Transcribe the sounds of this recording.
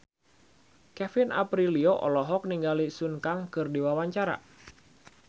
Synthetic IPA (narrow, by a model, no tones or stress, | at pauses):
kɛfɪna̰pɾilioʔɔ̰lɔɦɔk̚niŋɡalisunkaŋkɨrdiwawaɲt͡ʃaɾa̰